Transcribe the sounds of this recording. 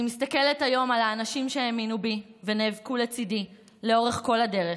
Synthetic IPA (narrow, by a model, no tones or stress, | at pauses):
imist̪ɐke̞letajo̞malaːnaʃimʃeeminubiveneːvkulet͡sidi | leo̞ʁe̞χko̞lade̞ʁe